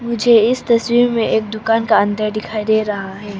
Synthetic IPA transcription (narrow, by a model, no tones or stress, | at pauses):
mʊd͡ʒʱeɪst̪ɐswiːɾmẽʔeːk̚d̪ʊkaːnkaɐ̃nd̪əɾd̪ɪkʰaːid̪eːɾɐɦaɦɛː